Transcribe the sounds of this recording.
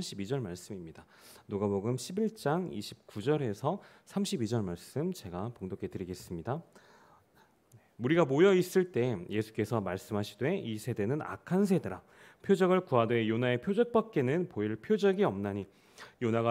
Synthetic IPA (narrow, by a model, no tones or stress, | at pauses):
mɕʰibid͡ʑʌɭmaɭs͈ɯmimɲida | noɡaboɡɯmɕʰibiɭt͡ɕ͈aŋiɕʰi̥p̚k͈ud͡ʑʌɾe̞sʰʌsʰamɕʰibid͡ʑʌɭmaɭs͈ɯmt͡ɕe̞ɡapoŋdokʰe̞tɯɾiɡe̞s͈ɯmɲida | nemuɾiɡamojʌis͈ɯɭt͈e̞je̞sʰu̥k͈e̞sʰʌmaɭs͈ɯmɦaɕʰi̥dwe̞isʰe̞de̞nɯna̰kʰansʰe̞de̞ɾa | pʰjod͡ʑʌɡɯɭkuadwe̞jonae̞pʰjod͡ʑʌk̚p͈ak̚k͈e̞nɯnpoiɭpʰjod͡ʑʌɡiʌmnaɲi | jonaɡa